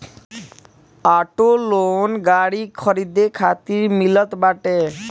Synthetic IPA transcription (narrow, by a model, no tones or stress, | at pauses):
aʈolonɡaɽikʰɔɾid̪ekʰat̪iɾmilɔt̪baʈe